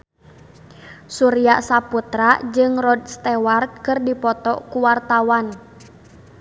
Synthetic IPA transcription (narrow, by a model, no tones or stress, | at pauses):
suɾiasaput̪ɾad͡ʒɨŋrɔdst̪ɛwarkɨrdipɔt̪ɔkuwart̪awan